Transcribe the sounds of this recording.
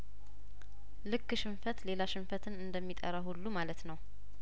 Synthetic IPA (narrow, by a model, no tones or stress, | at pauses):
lɨkːɨʃɪmfət̪le̞laʃɪmfət̪ʰɨnɨnd̪əmːit̪ʼəɾahulːumalət̪nəw